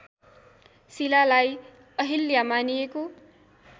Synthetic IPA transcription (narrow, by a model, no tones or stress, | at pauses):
silalaj | ʌɦiljamanijeko